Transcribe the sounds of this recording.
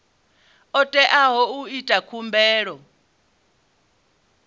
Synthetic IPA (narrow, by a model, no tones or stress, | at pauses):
ɔtʼɛʔaɦɔuitʼakʰumbɛːɺɔ